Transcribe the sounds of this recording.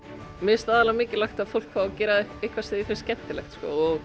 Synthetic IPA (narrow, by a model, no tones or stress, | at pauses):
mɪst̪aːðalamɪːcɪlaxt̪aðfowl̥kʰfawacɛːɾaðejhkvḁsɪːðɪfɪnscɛn̥t̪ɪlɛ̰xt̪skɔ̰ɔɣ